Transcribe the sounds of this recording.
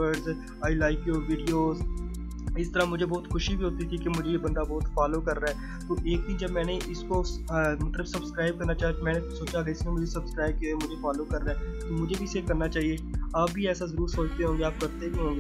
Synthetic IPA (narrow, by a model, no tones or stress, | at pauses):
əɾɖz | aːilaːɪkjoːʋiːɖioːz | ɪst̪əɾamʊd͡ʒʱebɔːt̪xʊʃibʱiɦoːt̪it̪ʰikemʊd͡ʒʱejebɐ̃nd̪abɔːt̪faːloːkɐɾːaɦɛ | t̪oːʔeːk̚d̪iːnd͡ʒɐbmɛ̃ːneʔɪskomɐt̪ləbsɐbskɾaːɪb̚kɐɾnat͡ʃaːɦat̪mɛ̃ːnesoːt͡ʃaɡaɪsmẽmʊd͡ʒʱesɐbskɾaːɪb̚kioemʊd͡ʒʱefaːloːkɐɾːaɦɛt̪oːmʊd͡ʒʱebʱiseːkɐɾnat͡ʃaːɦieaːp̚bʱiɛːsazɐɾuːɾsoːt͡ʃt̪eɦõːŋɡeaːp̚kɐɾt̪ebʱiɦõːŋɡeː